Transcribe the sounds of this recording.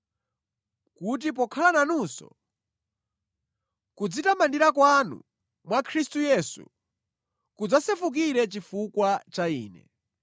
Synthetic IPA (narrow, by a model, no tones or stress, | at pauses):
kut̬ip̬ɔkʰalananusɔ̰ | kud͡zitamandiɾakwanṵ | mwakʰɾistujɛsṵ | kud͡zasɛfuk̬iɾɛt͡ʃifukwat͡ʃaiːnɛ̰